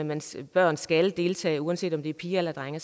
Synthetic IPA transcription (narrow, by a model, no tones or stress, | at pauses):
mænb̥ɶɐ̰nsɡ̥æld̥e̝lt͡sʰɛ̰ːɪuːænse̝̰ːd̥ɒ̽md̥e̝æɐpʰiːɐelɐd̥ʁaŋɐs